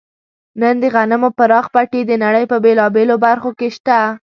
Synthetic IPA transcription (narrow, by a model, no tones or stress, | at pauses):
nənd̪əɣanɪmopəɾɑxpaʈed̪ənaɽəjpəbelɑbelobaɾxokeʃt̪a